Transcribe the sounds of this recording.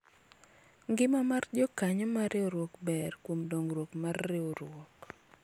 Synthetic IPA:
ŋɡɪmamard͡ʒɔkaɲɔmaɾɪoɾwɔkbɛrkwomdɔŋɾwokmarːɪoɾwɔk

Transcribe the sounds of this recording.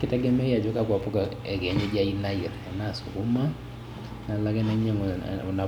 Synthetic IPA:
kɪtɛɡɛmɛjad͡ʒokak̬wapuka | ɛkɛɲɔd͡ʒainaiɾanasṵkuma | nalakɛnɛɲɛŋɔna

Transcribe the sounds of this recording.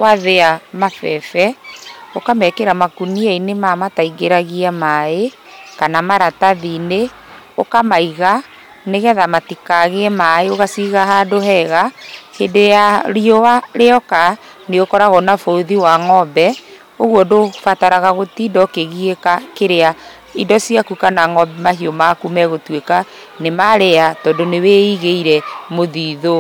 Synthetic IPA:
waðeamafɛfɛokamɛkeɾamakuniainemamataiɡeɾaɣiamae | kanamaɾataðine | okamaiɣa | neɣɛðamatikaɣeɛmaeoɣasiɣaɦadoɦɛɣahedejaɾiowaɾeɔka | neɣokɔɾaɣɔnafooðiwaŋɔbɛ | oɣwɔdofataɾaɣaɣotidɔkeɣiekakeɾea | idɔsiakukanaŋɔbɛmaɦiomakumɛɣotweka | nemaɾeatɔːdoneweiɣeiɾɛmoðiːðo

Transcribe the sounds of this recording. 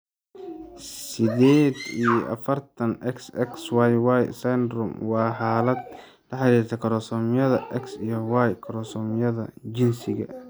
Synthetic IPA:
sɪdɛːd̪ijɔʔɐ̰fɐrt̪ʰɐnʔɛksɛkswajwajsand̪ɾʊmwɑːħɑːlɐd̪ | lɐħɑɾiːrt̪ʰɐkʰɐɾɔsɔmjɐðɐʔɛksijɔwajkʰɐɾɔsɔːmjɐðɐ̰d͡ʒɪnsɪɣɐ̰

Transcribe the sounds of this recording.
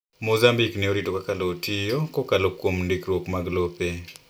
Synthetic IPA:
mozambiknɛoɾitokakaloːtʰijokɔkalokwomndikɾwokmaɡlope

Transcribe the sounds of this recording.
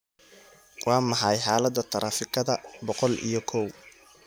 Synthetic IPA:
wʔɑːmɑħɑjħaːlɐd̪ːɐt̪ʰɐɾʔaːfɪkʰɐðɐbɔqɔlḭjɞkʰɔw

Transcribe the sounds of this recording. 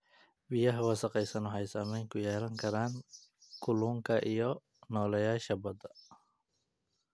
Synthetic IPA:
bijɐɦɐwɐsɐqɛjsɐnɔɦɛjsaːmɛjŋkʰʊjɛːlɐŋkʰɐɾaːŋkʰʊluːŋkʰɐʔijɔ | nɔːlɐjaːʃɐbɐd̪ɐ

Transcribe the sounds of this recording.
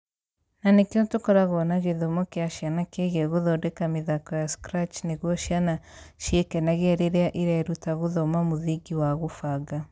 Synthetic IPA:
nanekontokɔɾaɣɔnaɣeðɔmɔkeaʃjanakeɣɛɣoðɔdɛkameðakɔjaskɾat͡ʃneɣwɔʃjanaʃiekɛnaɣeɛɾeɾeaʔiɾɛɾutaɣoðɔmamoðiɡiwaɣofaɡa

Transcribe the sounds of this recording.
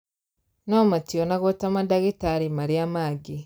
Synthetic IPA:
naɔmatiɔnaɣotamadaɣitaɾimaɾiamaɡi

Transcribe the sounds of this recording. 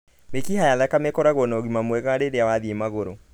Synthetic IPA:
mekihajaðakamɛkɔɾaɣɔnɔɣimamwɛɣaɾeɾeawaðiemaɣoɾo

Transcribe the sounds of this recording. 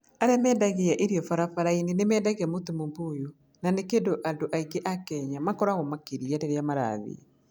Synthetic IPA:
aɾɛmɛːdaɣeaʔeɾiɔfaɾafaɾainenemɛːdaɣɛmotomomboːju | nanekendoʔandoʔaiɡeʔakɛɲamakɔɾaɣɔmakeɾiaɾeɾeamaɾa̰ðḛ

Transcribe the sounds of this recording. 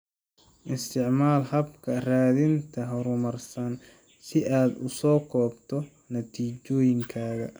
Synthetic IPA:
ʔɪst̪ʰɪʕmaːlhɐbkʰɐraːðɪnt̪ʰɐɦʊɾʊmɐrsɐn | sɪʔaːd̪ʊsɔːkʰɔːbt̪ʰɔ | nɐt̪ʰiːt͡ʃɔːjɪŋkʰaːɣɐ̰

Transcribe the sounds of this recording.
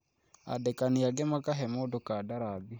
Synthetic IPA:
a̰dɛkaniaɡɛmakaɦɛmodokadaɾabi

